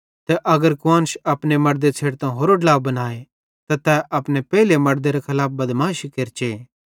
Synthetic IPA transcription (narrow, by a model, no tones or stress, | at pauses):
t̪ɛʔɐɡəɾkʊwãːnsɐpnemɐɾd̪et͡sʰeːɽt̪ãɦoːɾoɖɐlaːwbɐnaːe | t̪at̪ɛʔɐpnepɛːlemɐɾd̪eɾɐkʰɐlaːp̚bɐd̪mãːʃikeɾt͡ʃe